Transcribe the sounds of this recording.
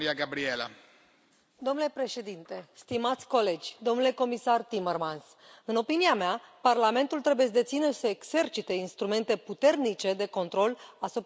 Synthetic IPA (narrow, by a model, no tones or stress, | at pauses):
iaɡabɾiela̰ | d̪o̞mnulepɾe̞ʃe̞d̪int̪e̞st̪imat̪sʲko̞le̞d͡ʒʲd̪o̞mnule̞ko̞misart̪imermans | ɨno̞piniameaparlame̞nt̪ult̪ɾe̞bujes̬d̪e̞t̪sinəsəekse̞rt͡ʃit̪e̞inst̪ɾume̞nt̪e̞put̪e̞rnit͡ʃe̞d̪e̞ko̞nt̪ɾo̞lasup